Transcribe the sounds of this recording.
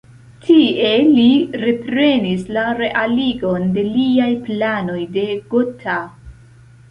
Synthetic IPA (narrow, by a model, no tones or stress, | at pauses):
tʰie̞liɾe̞pɾe̞nislaɾe̞ʔaliɡo̞nde̞liajplano̞jde̞ɡotʰa